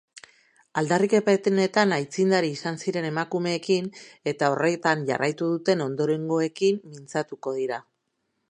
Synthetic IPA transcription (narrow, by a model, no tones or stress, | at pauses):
ald̪arike̞pet̪ne̞t̪anajt͡sind̪aɾiːsansiɾe̞ne̞makume̞ːkine̞t̪ao̞re̞t̪aɲʝa̰rʔajt̪uðut̪e̞no̞nd̪o̞ɾe̞ŋɡo̞e̞kimːint͡sat̪uko̞ð̞iɾa